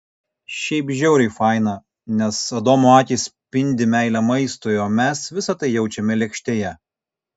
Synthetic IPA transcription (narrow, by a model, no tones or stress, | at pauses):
ʃʲɛɪpʒʲɛʊɾʲɛɪfɑˑɪnɑ | nʲɛsɐd̪oːmʊɑːtʲiːsʲpʲɪnʲd̪ʲɪmʲæɪlʲæmɐɪst̪ojoːmʲɛsʋʲɪsɐt̪ɐɪjɛʊt͡ʃʲɛmʲɛlʲɛkʃʲt̪ʲeːjɛ